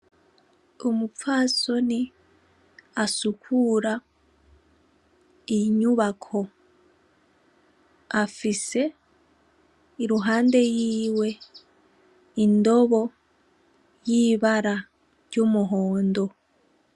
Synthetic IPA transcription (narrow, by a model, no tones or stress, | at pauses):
omup͡faːso̞ni | asukʰuɾa | iɲuβakʰo̞ | afise̞ | iɾuɦaːnde̞jiːwe̞ | indo̞βo̞ | jiːβaɾa | ɾɟomuɦoːndo̞